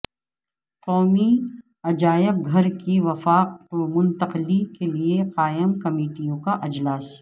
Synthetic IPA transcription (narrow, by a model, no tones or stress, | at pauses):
qɔːmi | ɐd͡ʒaːjɪb̚ɡʱɐɾkiʋɐfaːqmʊ̃nt̪ɐqlikelieqaːjɪmkɐmeːʈijõkaʔɐd͡ʒlaːs